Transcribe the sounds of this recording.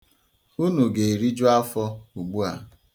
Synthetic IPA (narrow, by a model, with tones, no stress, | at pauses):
u˦nu˨ɡe˨e˨ɾi˦d͡ʒu˦a˦fɔ˦u˨ɡ͡bu˦a̰˨